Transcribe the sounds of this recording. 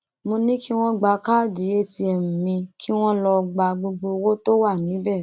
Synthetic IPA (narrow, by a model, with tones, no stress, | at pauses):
mo˧nĩ˦ki˦w̃ɔ̃˦ɡ͡ba˧˨ka˦˨di˨˦e˦ti˧ɛ˧˨mũ˨mĩ˧ki˦w̃ɔ̃˦lɔ˧ɡ͡ba˧ɡ͡bo˧ɡ͡bo˧wo˦to˦wa˦˨nĩ˨˦bɛ˦˨